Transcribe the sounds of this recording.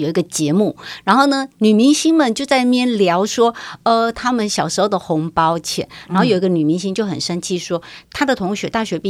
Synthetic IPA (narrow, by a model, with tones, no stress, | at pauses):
jo˨˩i˧˥ɡə˧t͡ɕjɛ˧˥mu˥˩ɻa˧˥nxo˥˩ʊnə˩ny˨˩mi˧˥ŋɕi˥ŋmə˨nt͡ɕjo˥˧ʊt͡sa˥˧ɪmjɛ˥˩nljɑ˧˥ʊʂwɔ˥ə˩t̪ʰa˥mə˨nɕjɑ˨˩ʊʂɻ̩˧˥xo˧ʊd̪ə˩xʊ˧˥ŋpɑ˥ʊt͡ɕʰjɛ̰˨˩˦nɻa˧˥nxo˥˩jo˨˩˧ɡə˧ny˨˩mi˧˥ŋɕi˥ŋt͡ɕjo˥˩ʊxə˨˩nʂə˥nt͡ɕʰi˥˩ʂwɔ˥t̪ʰa˥d̪ə˨t̪ʰʊ˧˥ŋɕɥɛ˧˥t̪a˥˩ɕɥɛ˧˥pi˥˩